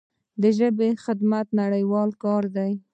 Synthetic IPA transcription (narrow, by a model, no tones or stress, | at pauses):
d̪əʒəbexɪd̪mat̪naɽəjwɑlkɑɾd̪aj